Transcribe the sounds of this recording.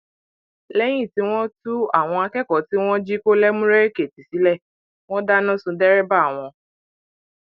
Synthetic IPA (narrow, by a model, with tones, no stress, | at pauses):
lɛ˦j̃ĩ˦˨ti˨˦w̃ɔ̃˦tu˦a˦˨w̃ɔ̃˧a˧kɛ˦kɔ˨˦ti˦w̃ɔ̃˦d͡ʒi˦ko˦lɛ˦mũ˦ɾe˦ɾe˦˨ke˨ti˨si˨˦lɛ˦˨ | w̃ɔ̃˦da˦nɔ̃˦sũ˧dɛ˦ɾɛ˦ba˦˨w̃ɔ̃˧